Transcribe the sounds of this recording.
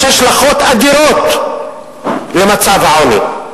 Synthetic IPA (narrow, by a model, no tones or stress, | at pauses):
aʃlaχo̞t̪ad̪iɾot̪ | le̞mat͡savhaoni